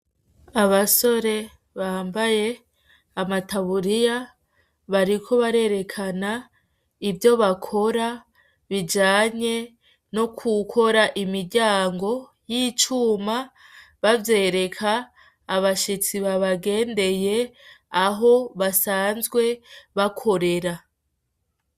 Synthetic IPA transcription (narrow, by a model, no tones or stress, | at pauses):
aβaso̞ɾe̞ | βaːmbaje̞ | amataβuɾija | βaɾikʰo̞βaɾe̞ɾe̞kʰana | ivjo̞βakʰo̞ɾa | βid͡ʒaːɲe̞ | no̞kʰukʰo̞ɾaʔimiɟaːŋɡo̞ | jit͡ʃuːma | βavje̞ːɾe̞kʰaː | βaʃit͡siβaβaɡe̞ːnde̞je̞aɦo̞βasaːnzɡwe̞βakʰo̞ɾe̞ɾa